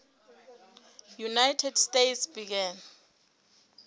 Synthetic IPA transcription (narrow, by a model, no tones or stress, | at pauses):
junajtʰɛdstejtsbik̬ɛn